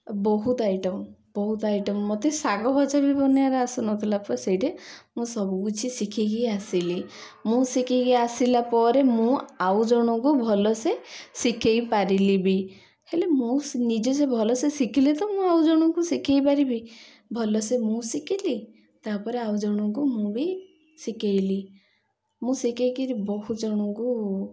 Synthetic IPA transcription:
bɔɦut̪ajʈɔmbɔɦut̪ajʈɔmːot̪esaɡɔbʱɔt͡ʃabibʱɔnjaɾeasunɔt̪ʰilapɔɾesejʈemũsɔbukut͡ʃʰisikʰiɡijasili | mũsikʰeɡiasilapɔɾemũawd͡ʒɔɽ̃ɔkubʱɔlɔsesikʰejpaɾilibi | helemũnid͡ʒɔsebʱɔlɔsesikʰilet̪ɔmũawd͡ʒɔɽ̃ɔ̃ŋkusikʰejpaɾibi | bʱɔlɔsemũsikili | t̪apɔɾeawd͡ʒɔɽ̃ɔ̃ŋk̬umũbi | sikejli | mũsikejkiɾibɔɦud͡ʒɔɽ̃ɔŋku

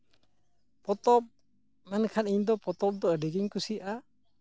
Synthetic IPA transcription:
pɔt̪ɔp̚ | nankʰaniɲd̪ɔpɔt̪ɔp̚d̪ɔədiɡiɲkusiʔa

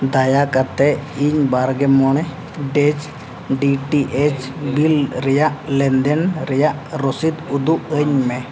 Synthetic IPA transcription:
d̪ajakat̪ɛiɲbaɾɡɛmɔɽ̃ɛ | ɖɛt͡ʃ | ɖiʈiʔɛt͡ʃbilɾɛjaʔlɛnd̪ɛnɾɛjaʔɾɔsit̪ud̪uʔəɲmɛ

